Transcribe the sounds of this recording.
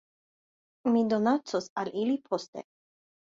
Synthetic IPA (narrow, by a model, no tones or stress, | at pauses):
mid̪o̞nat͡sosalilipʰo̞stḛ